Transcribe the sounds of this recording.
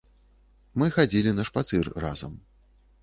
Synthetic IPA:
mɨxad͡zʲilʲinɐʂpat̪sɨrra̰zɐ̰m

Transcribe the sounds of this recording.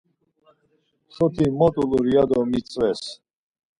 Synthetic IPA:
ʃɔt̪ʰimɔt̪ʼuluɾiad̪ɔmit͡sʼwɛs

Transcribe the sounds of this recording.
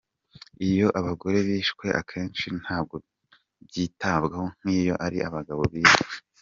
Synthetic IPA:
ijo̞ʔaβaɡo̞ɾe̞βiːʃkwe̞ʔa̰kʰe̞ːnt͡ʃin̥haːbɡo̞ | bɟiːtaːbɡaho̞ŋ̥hiːjo̞ʔaɾiʔaβaɡaβo̞βiːʃe

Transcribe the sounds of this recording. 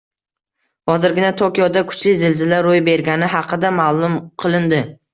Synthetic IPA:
hɒzɪɾɡʲɪnat̪ʰokʲijɒd̪akʰʊ̥t͡ʃlɪzɪlzɪlaɾojbe̞ɾɡʲanɪɦɑqʰɨd̪amaːlˠʊmqʰɨlˠɪnd̪ɪ

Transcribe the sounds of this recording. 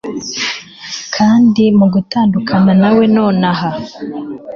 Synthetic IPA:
kʰaːndimuɡutaːndukʰananawe̞no̞ːnaɦa

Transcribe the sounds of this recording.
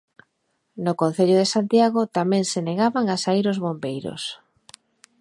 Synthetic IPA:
nokõnθeʎʊðesant̪jaɣot̪amɛ̃ŋseneɣaβaŋasaiɾozβombejɾo̰s

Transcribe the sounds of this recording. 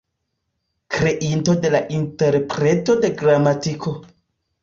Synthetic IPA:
kɾe̞ʔinto̞de̞laʔinte̞ɾpɾe̞to̞de̞ɡɾamatikʰo̞

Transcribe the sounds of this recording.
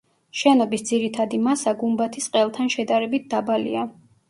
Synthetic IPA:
ʃɛnɔbisd̪ziɾit̪ʰad̪imasaɡumbat̪ʰisqʼɛlˠt̪ʰanʃɛd̪aɾɛbit̪̚ʰd̪̥abalḭa

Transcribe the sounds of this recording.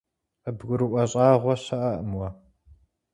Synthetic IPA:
ɐbɡʷʊɾɨʔʷɐɕʼɑːʁʷɔɕɐʔɐʔəmwɐ

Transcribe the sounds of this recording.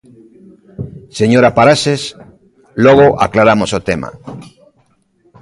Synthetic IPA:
seɲoɾapaɾases | loɣ̞oʔa̰klaɾamosot̪ema̰

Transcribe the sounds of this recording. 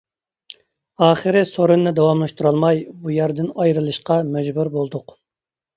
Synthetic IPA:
ɑːχɨɾɪsoɾunːɨd̪ɑwɑmlˠɨʃt̪uɾɑlˠmɑjbujæɾd̪ɪnɑjɾɨlˠɨʃqɑmɛd͡ʒbuɾbolˠd̪ʊq

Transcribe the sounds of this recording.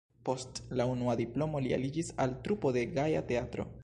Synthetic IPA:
po̞stlaunuadiplo̞mo̞lia̰lid͡ʒisaltɾupo̞de̞ɡaja̰te̞atɾo̞̰

